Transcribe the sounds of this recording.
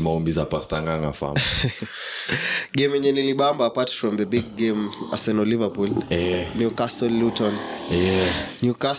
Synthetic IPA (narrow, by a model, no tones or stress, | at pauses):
maɔmbizapastaŋɡaŋafa̰m | ɡemɛɲɛniliɓambaːpatfɹɔ̃mðəbiɡ̚ɡema̰sɛnɔlivəpulɛnjukastɔlutɔ̃nɛnjuka